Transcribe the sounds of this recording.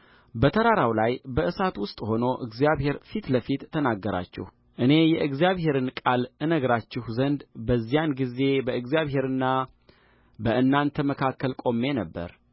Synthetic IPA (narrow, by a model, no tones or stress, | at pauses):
bət̪ʰəɾaɾawlajbəʔɨsat̪wʊst̪ʼho̞no̞ʔɨɡzjaβhe̞ɾfit̪ləfit̪t̪ːʰənaɡːəɾa̰t͡ʃːɪ̰h | ʔɨne̞jɛʔɨɡzijaβhe̞ɾɨnkʼalɨnəɡɾat͡ʃːɪhzənd̪bəzːijanɡize̞bəɨɡzijaβɦe̞ɾɨnːa | bəʔɨnːant̪ʰəməkʰakːəlkʼo̞mːe̞nəbːə̰ɾ